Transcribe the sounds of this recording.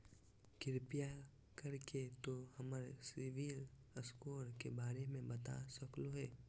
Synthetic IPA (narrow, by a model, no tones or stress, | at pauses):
kɪɾpija | kɐɾket̪ohɐməɾsɪʋiɾ | əskoːɾkebaːɾemẽbɐt̪a̰səkloɦɛː